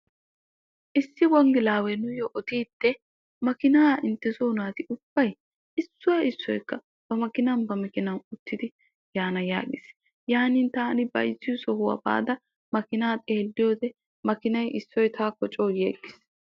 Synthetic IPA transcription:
ʔɪsːɪwɔŋɡɪlaːwɛnʊjɔʔɔt̪iːt̪ːɛ | mɐkɪnaːɪnt̪ːɛsoːnaːt̪ɪʔʊb̥ːɐj | ɪsːʊwaɪsːɔjkːɐ | b̥ɐmɐkɪnɐnbɐmɪkɪnɐnʊt̪ːɪd̪ɪ | jaːnɐja̰ːɡɪs | jaːniːnt̪aːnɪbɐ̰jzːɪjʊsɔhʊwɐ̰ba̰ːd̪ɐ | mɐkɪnaːt̪ʼe̞ːlːɪjoːd̪ɛ | mɐkɪnɐjʔɪsːɔjt̪ʰaːkɔt͡ʃʼoːjeːɡːɪ̥s

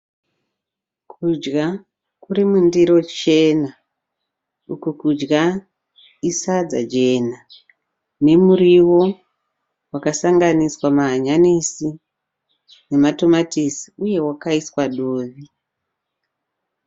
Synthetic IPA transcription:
kʰud͡ʒɡa | kuɾimundiɾo̞t͡ʃe̞na | ukukud͡ʒɡa | isad͡za̰d͡ʒe̞na | ne̞muriwo̞ | wakasaŋɡaniswamaɦːɲanisi | ne̞mato̞matisi̥uje̞wakaiswaɗoːʋi

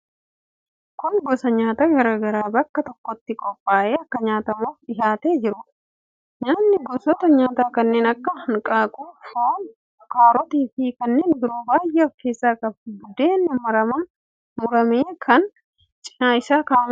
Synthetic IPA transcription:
kʊŋɡɔsɐɲaːt̪aːɡɐɾaːɡɐɾaːbɐkːɐt̪ɔkːɔt̪ːɪkʼɔpʼːaːʔe̞ːɐkːɐɲaːt̪ɐmoːfᶑɪɦaːt̪eːd͡ʒɪɾʊ | ɲaːnːɪɡɔsɔt̪ɐɲaːt̪aːkɐnːeːnɐkːɐhɐŋkʼaːkʼuːhoːn | ʊkaːɾɔt̪iːfɪkɐnːe̞ːnbɪɾoːbaːjːɛɔfke̞ːsːaːkʼɐbɡʊd̪eːnːʊmɐɾɐmɐn | mʊɾɐmeːkʰɐn | t͡ʃʼɪ̥naːɪsaːkaːm

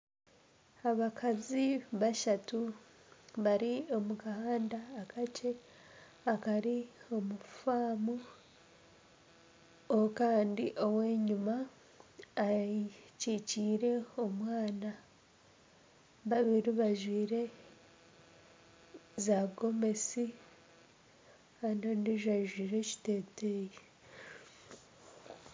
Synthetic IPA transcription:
aβakʰaziβaʃatu | βaɾio̞mukahaːndaːkʰat͡ʃe̞ | akaɾio̞mufaːmu | okaːndiʔo̞we̞ːɲumaː | ciciːɾe̞o̞mwaːna | βaβiɾiβaʒwiːɾe̞ | zaɡo̞me̞si | andondiʒaʒwiːɾe̞ci̥te̞ːteje

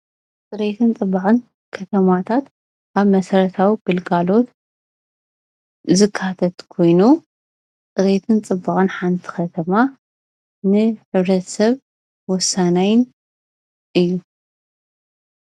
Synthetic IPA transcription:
t͡sʼɨɾet̪ʰɨnt͡sʼɨbaʕʼɨn | kʰɐt̪ʰɐmat̪ʰat̪ | ʔaβmɐsɐɾɐt̪ʰawiɡɨlɡalo̞t̪ | zɨkʰːat̪ʰɐt̪kʰo̞jnu | t͡sʼɨɾe̞t̪ʰɨnt͡sʼɨbːaχʼɨnħant̪ʰi̥xɐt̪ʰɐma | nɨħɨβɾɐt̪ʰsɐβ | wɔsanajɪn | ɨjːu

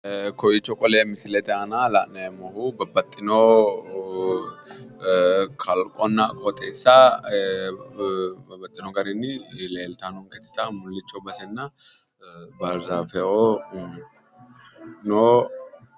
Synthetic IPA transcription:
kɔjɪt͡ʃːɔkʼɔleːmɪsɪlɛt̪ɛɐnalaʔnɐɛmːɔhubɐbːɐt̪ʼːɪno | kʰɐlkʼɔnːɐkʼɔt̪ʼeːsːɐ | bɐbːɐt̪ʼːɪnɔɡɐɾɛnːɪleːlt̪ɐnɔŋkɛt̪ːɪ̥t̪ɐmʊlːɪt͡ʃːɔbɐsɛnːɐ | bɐɾzafɛɔ | no

